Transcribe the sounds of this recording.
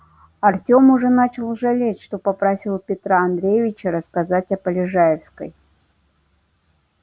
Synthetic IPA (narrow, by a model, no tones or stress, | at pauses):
ɐrtʲo̞mʊʐɛnat͡ɕɪlˠʐɐlʲetʲʂt̪o̞pɐpɾɐsʲilˠpʲɪt̪ɾaɐnd̪ɾʲejɪvʲɪt͡ɕəɾəskɐzatʲɐpəlʲɪʐajɪfskə̰j